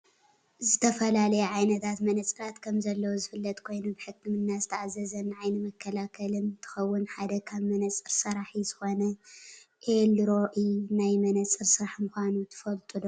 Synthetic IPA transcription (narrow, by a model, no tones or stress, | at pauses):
zɨt̪ʰɐfɐlalɐjɛʕajnɐt̪ʰat̪mɐnɐt͡sʼɨɾat̪kʰɐmzɐlːɐwuzɨfɨlːɐt̪ʼkʰo̞jnubɨħɨkʰːɨmɨnːazɨt̪ʰɐʕazːɐzɐnʕajnɨmɐkʰːɐlakʰɐlɨnt̪ʰɨ̥xɐwːʊnħad̪ɐkʰaβmɐnɐt͡sʼɨɾsɐɾaħizɨxo̞nɐʔelɾo̞ʔɨnajmɐnɐt͡sʼɨɾsɨɾaħmɨxʷanut̪ʰɨ̥fɐlt̪ʼulo